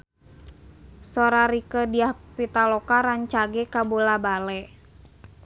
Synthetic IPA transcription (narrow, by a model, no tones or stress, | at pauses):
sɔɾaɾikədiahpit̪alɔkaɾaɲt͡ʃaɡɛkabolabalɛ